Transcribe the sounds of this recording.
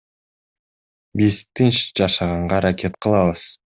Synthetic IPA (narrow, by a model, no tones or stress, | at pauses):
bizt̪inʃd͡ʒɑʃɑʁɑɴɢɑɾakʲe̞t̪qʰəlˠɑβɯz̥